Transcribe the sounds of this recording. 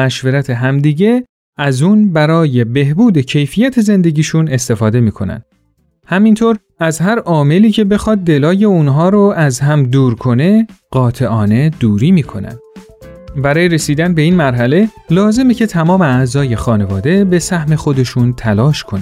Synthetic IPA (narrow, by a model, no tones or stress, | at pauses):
mæʃveɾæt̪ʰe̞ɦæmd̪iːɟe̞ | æzuːnbæɾɒːje̞be̞hbuːd̪e̞cʰe̞jfiːjæt̪ʰe̞ze̞nd̪e̞ɟiːʃune̞st̪e̞fɒːd̪e̞miːkʰo̞̰næ̰nd̪ | hæmint̪ʰoːɾ | æzhæɾɒːme̞liːcʰe̞be̞xɒːd̪̚ːe̞lɒːje̞unɦɒːɾoæzɦæmd̪uːɾkʰo̞ne̞ɢ̥ɒːt̪ʰe̞ʔɒːne̞d̪uːɾiːmiːkʰo̞næ̰nd̪̥ | bæɾɒːjeɾe̞siːd̪ænbe̞iːnmæɾɦæle̞lɒːze̞mecʰe̞t̪ʰæmɒːme̞æzɒːje̞xɒːne̞vɒːd̪e̞be̞sæhme̞xo̞d̪e̞ʃunt̪ʰælɒːʃkʰonæ